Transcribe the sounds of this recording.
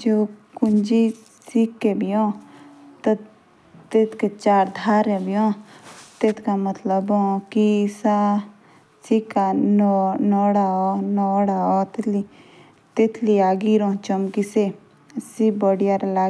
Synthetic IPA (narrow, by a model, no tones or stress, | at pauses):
d͡ʒoːkʊnd͡ʒi | sikːebiɔ̃ːt̪ɐ | t̪et̪ʰket͡ʃaːɾd̪ʱaːɾɛbijɔ̃ːt̪et̪ʰkamət̪ləbɔ̃ːkisa | sikːannɔːɽaɔnɔːɽaɔt̪eli | t̪et̪ʰliaːɡiɾɔ̃ːt͡ʃəmkise | sibəɽijaɾlaː